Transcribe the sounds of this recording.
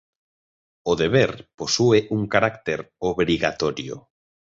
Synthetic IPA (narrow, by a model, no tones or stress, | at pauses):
oðeβeɾposuɪʔuŋkaɾakt̪eɾoβɾiɣat̪ɔɾjo̰